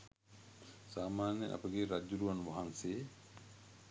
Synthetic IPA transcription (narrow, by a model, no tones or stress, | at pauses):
saːmaːnjeʔa̰pəɡeɾad͡ʒːuɾuʋanʋaɦanseː